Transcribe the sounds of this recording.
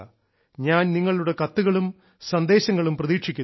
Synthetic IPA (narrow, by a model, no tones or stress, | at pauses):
ɲaːnniŋːɐɭuɽe̞kɐt̪ːuɣɐɭum | sɐnd̪e̞ːɕɐŋːɐɭumprɐðiːkʂikʲːun